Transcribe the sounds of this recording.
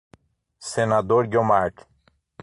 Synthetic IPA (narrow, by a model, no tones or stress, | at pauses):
senad̪oɾɡʲomaɾʈ